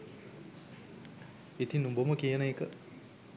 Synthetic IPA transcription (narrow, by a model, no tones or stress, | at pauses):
it̪inːumboməkijənəekə